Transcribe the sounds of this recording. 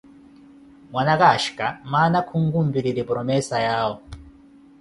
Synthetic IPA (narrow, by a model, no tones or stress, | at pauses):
mwanakaʃkamanakʰuŋ̩ɡum̩biɾiɾipɾɔmɛsajaːwɔ